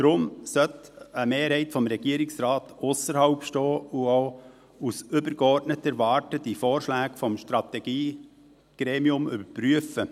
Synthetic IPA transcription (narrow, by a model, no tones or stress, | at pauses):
d̥ɾʊmsœtəmeːɾhɛɪtfɔmɾɛɡiəɾɪksɾɑːt̪ʊsəɾhɑʊpʃtɔːuaʊ | usʏbəɾɡ̥əɔɾtnətəɾvɑːɾtəd̥ifoːɾʃlæːɡfɔmʃtɾɑt̪ɛɡ̥iː | ɡ̥ɾeːmiʊmʏbəɾpryəfə